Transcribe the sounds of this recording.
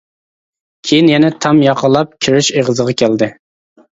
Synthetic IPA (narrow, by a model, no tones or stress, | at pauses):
kʲʰejinjɛnɛt̪ʰɑmjɑqəlˠːɑp̚kʲʰiɾɪʃeʁəzəʁɑkʲʰæld̪ɪ